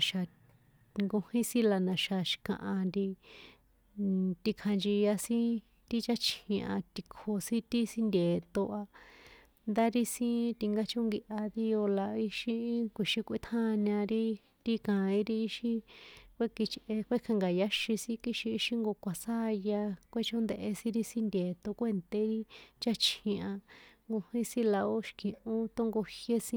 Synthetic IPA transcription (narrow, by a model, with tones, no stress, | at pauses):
ʃa˨ | ŋɡo˧hĩ˦sĩ˦la˧nã˨ʃa˨ʃi̥˧˨kã̰˧˨ʔã˧nd̪i˧ | t̪i˧kʰa˧nd͡ʒi˧ja˧sĩ˦ | t̪i˦t͡ʃa˦t͡ʃĩ˧ʔã̰˧t̪i˧kʰo˧sĩ˦t̪i˦si˦nd̪ʲe˨t̪o˧ʔa˧ | nd̪a˦ɾi˦sĩ˦t̪i˧ŋɡa˦t͡ʃo˦ŋɡi˧ʔa˧ði˦o˧la˧i˦ʃĩ˧˦kʷi˨ʃĩ˧kʷi˦˧t̪ʰã˦˧ɲã˧ɾi˦ | ɾi˦kã˨ĩ˦ɾi˦i˦ʃĩ˧kʷe˦ki˧t͡ʃʔe˧kʷe˦kʰã˧ŋɡa˨ja˦ʃĩ˧sĩ˦ki˦ʃiː˧˦ʃi˦ŋɡo˧kʷa˨sa˦˧ja˧kʷe˦t͡ʃo˦nd̪e˧ʔe˧sĩ˦ɾi˦sĩ˦nd̪ʲeː˨t̪o˧kʷe˦˧nt̪e˧ɾi˦t͡ʃa˦t͡ʃʰĩ˧a˧ŋɡo˧hĩ˦sĩ˦la˧o˦ʃkĩ˨ʔũ˦t̪o˦ŋɡo˧hje˦sĩ˦